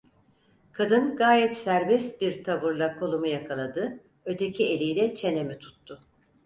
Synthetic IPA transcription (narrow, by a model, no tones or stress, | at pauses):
kʰad̪ɯnɡaːjɛt̪sæɾbɛst̪biɾt̪ʰaβuɾlˠakʰo̞lˠumujakʰalˠad̪ɯ | ø̞t̪ʰe̞cʰie̞lʲijlʲɛt͡ʃʰe̞ne̞mit̪ʰu̥t̪ːʊ